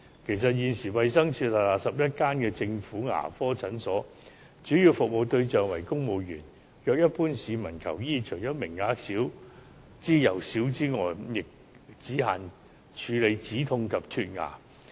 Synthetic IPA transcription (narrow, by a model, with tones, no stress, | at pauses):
kʰe˨˩js̬ɐ˨t̚jiː˨˧nsiː˨˩wɐ˨jsɐ˥ŋt͡ʃʰyː˧t̚lɐ˨˩laː˨˧sɐ˨p̚jɐ˥t̚kaː˥nkɛː˧t͡sɪ˧ŋfuː˨˥ŋa̰ː˨˩fɔː˥t͡sʰɐ˨˥nsɔː˨˥ | t͡ʃyː˨˥jiː˧wfʊ˨k̚mo˨˧wt̪ɵ˧ɥt͡ʃœː˨ŋwɐ˨˩jkʊ˥ŋmo˨wjyː˨˩n | jœː˨k̚jɐ˥t̚puː˥nsiː˨˧mɐ˨˩nkʰɐ̰˨˩wjiː˥t͡ʃʰɵ˨˩jɐ˥mɪ˨˩ŋːaː˨˥ksi˨˥w | t͡siː˥jɐ˨˩wsiː˨˥wt͡siː˥ŋɔː˨jjɪ˨k̚ | t͡siː˨˥ɦaː˨n | t͡ʃʰyː˨˧le˨˧jt͡siː˨˥t̪ʰʊ˧ŋkʰɐ˨p̚t̪ʰyː˧t̚ŋa̰ː˨˩